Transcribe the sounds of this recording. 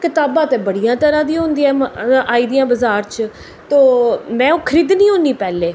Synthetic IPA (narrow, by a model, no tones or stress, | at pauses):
kɪt̪aːbãːt̪ẽːbəɽijãːt̪əɾãːd̪iːɦʊ̃nd̪iːɛːaːiːd̪ijãːbəzaːɾt͡ʃ | t̪oːmɛ̃ːokʰəɾiːd̪nĩːɦõːniːpɛːleː